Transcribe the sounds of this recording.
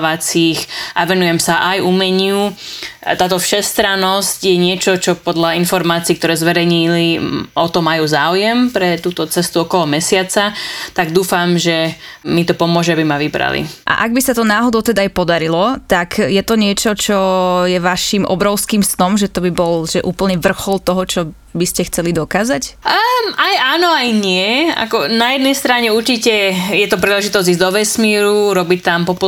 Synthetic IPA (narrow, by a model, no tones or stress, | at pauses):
ʋat͡sixʔaʋɛnujɛmsaʔajumɛɲɪut̪aːt̪ɔfʃɛst̪ɾanɔscjɛɲɪɛt͡ʃɔt͡ʃɔpɔd̪ʎainfɔɾmaːt͡siːkt̪ɔɾɛːzʋɛɾɛjɲiliɔt̪ɔmajuːzaːujɛmpɾɛt̪uːt̪ɔt͡sɛst̪uɔkɔlɔmɛsɪat͡sat̪aɡd̪uːfamʒɛmit̪ɔpɔmʊɔʒɛabimaʋibɾa̰lḭʔa̰ʔaɡ̚bisat̪ɔnaːɦɔd̪ɔʊt̪ɛd̪aːjpɔd̪aɾilɔt̪akjɛt̪ɔɲɪɛt͡ʃɔt͡ʃɔjɛʋaʃimʔɔ̰bɾɔʊskiːmsnɔmʒɛt̪ɔbibɔlʒɛʔuːpl̩ɲɛʋr̩xɔlˠt̪ɔɦɔt͡ʃɔ | biscɛxt͡sɛlid̪ɔkaːzac | ajaːnɔajɲɪɛa̰kɔnajɛd̪nɛjst̪ɾaɲɛuɾt͡ʃicɛjɛt̪ɔpɾiːlɛʒit̪ɔzɟiːzd̪ɔʋɛsmiːɾuɾɔbict̪ampɔp